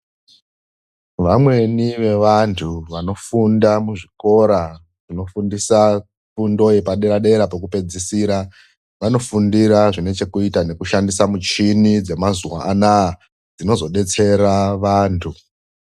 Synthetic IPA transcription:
ʋamwe̞niʋe̞ʋantʰuʋano̞fundamuʐiko̞ɾa | ʐ̥ino̞fundisa | fundo̞ipaɗe̞ɾaɗe̞ɾapekupe̞d͡zisiɾa | ʋano̞fundiɾaʐine̞t͡ʃe̞kuitane̞kuʃandisamut͡ʃinid͡ze̞mazuwa̰ʔːnaː | d͡zino̞zo̞ɗe̞t͡se̞ɾaʋaːntʰu

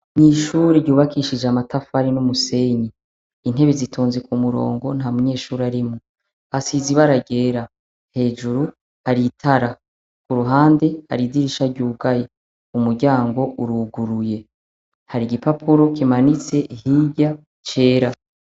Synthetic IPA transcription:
niʃuːɾeɟuːβakiːʃid͡ʒamatafaɾinumuse̞ːɲiː | n̥he̞βezitʰoːnzekumuɾo̞̰ːŋɡo̞nhamuɲe̞ːʃuːɾiaɾimu | asiziβaɾaɡe̞ːɾa | he̞ːd͡ʒuɾu | haɾitʰaɾa | kuɾuɦaːnde̞ha̰ɾidiɾiʃaɾɟuːɡaje | umuɾɟaːŋɡo̞uɾuɡuɾuje̞ | haɾiɡipapʰuɾo̞kimanit͡se̞ʔihiɟa | t͡ʃe̞ːɾa

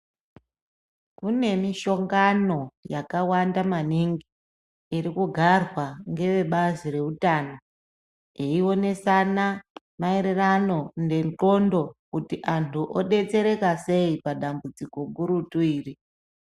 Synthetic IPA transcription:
kune̞miʃo̞ŋɡano̞jakawandamaniŋɡiː | ɾikuɡʱarwaŋɡe̞ʋe̞ɓazire̞utaːno | eiwo̞ne̞sana | maeɾerano̞nde̞nɬo̞ndo̞kutiʔantʰuʔoɗe̞t͡se̞ɾe̞kase̞ipaɗambud͡ziko̞ɡuɾutuiːri

